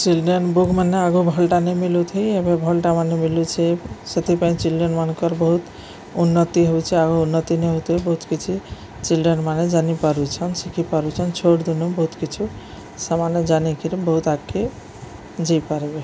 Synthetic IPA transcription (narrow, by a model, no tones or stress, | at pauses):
t͡ʃilɖɔnbukmaneaɡubʱɔlʈanemilut̪ʰejebebʱɔlʈamanemilut͡ʃʰeset̪ʰipaĩt͡ʃilɖiɔnmankɔɾboɦut̪ | unːɔt̪iɦowt͡ʃʰeaɡounːɔt̪ineɦot̪ʰejbɔɦut̪kit͡ʃʰi | t͡ʃilɖɔnmaned͡ʒanipaɾut͡ʃʰɔnsikʰipaɾut͡ʃʰɔnt͡ʃʰoʈd̪ʱunːobɔɦut̪kit͡ʃʰu | samaned͡ʒanikiɾebɔɦut̪aɡke | d͡ʒejpaɾbe